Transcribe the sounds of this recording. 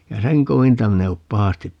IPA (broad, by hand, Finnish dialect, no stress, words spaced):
jɑ seŋ koʋintɑ min e op pɑhɑstip